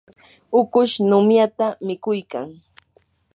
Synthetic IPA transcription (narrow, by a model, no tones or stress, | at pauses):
ʊkʊʃnʊmjat̪amɪkʊjka̰ŋ